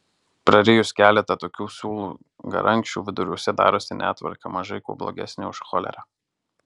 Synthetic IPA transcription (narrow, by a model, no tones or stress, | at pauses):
pɾɐɾʲeːjʊskʲæːlʲɛt̪ɐt̪oːkʲuːsʲuːlˠṵː | ɡɐ̰ɾʔɐŋʲkʃt͡ʃʲṵːʋʲɪd̪ʊɾʲuɔsʲɛd̪ɑ̰ːɾoːsʲɪnʲæ̰ːt̪ʋɐ̰ɾkɐmɐʒɐɪkṵːblˠo̰ɡʲɛ̰sʲnʲɪʊʃxɔlʲɛ̰ɾɑ